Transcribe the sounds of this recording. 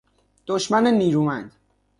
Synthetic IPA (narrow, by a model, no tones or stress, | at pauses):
d̪̥oʃmæneniːɾuːmænd̪